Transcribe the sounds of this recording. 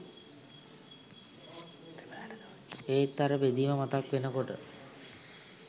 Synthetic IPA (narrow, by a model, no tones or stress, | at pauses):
eːt̪ːaɾəbed̪iːməmat̪akʋenəkoʈə̰